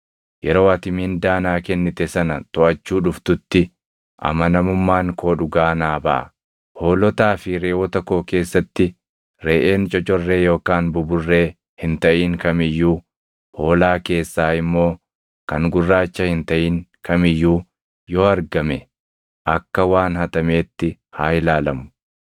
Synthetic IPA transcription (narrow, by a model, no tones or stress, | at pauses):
jɛɾo̞ːɐt̪ɪmiːnd̪aːnaːkɛnːɪt̪ɛsɐnɐt̪ʊʔɐt͡ʃːuːᶑʊft̪ʊt̪ːɪ | ʔɐ̰mɐnɐmʊmːaːŋkʰoːᶑʊɡaːnaːbɐ̰ʔɐ̰ | ho̞ːlɔt̪aːfɪɾeːwɔt̪ɐkːo̞ːke̞ːsːɐt̪ːɪ | ɾeːʔe̞ːnt͡ʃʼɔt͡ʃʼɔrːe̞ːjo̞ːkaːnbʊbʊrːe̞ː | hɪnt̪ɐʔiːŋkɐmɪjːuː | ho̞ːlaːke̞ːsːaːɪmːo̞ː | kɐŋɡʊrːaːt͡ʃːɐhɪnt̪ɐʔiːŋkʰɐmɪjːuː | joːɐɾɡɐmɛ | ʔɐkːɐwaːnhɐt̪ɐme̞ːt̪ːɪ | haːɪlaːlɐmʊ̥